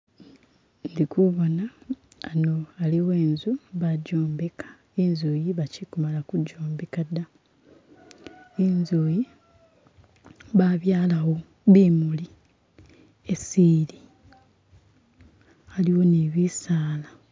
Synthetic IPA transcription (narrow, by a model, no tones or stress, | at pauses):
ndikuβo̞naː | no̞aliweːnzuβaɟoːmbekḁ | inzuːjiβacikumalakuɟːoːmbekada | inzuːji | βaβjaːlawo̞ | βimuli | esiːɾi | aliwo̞neβisaːla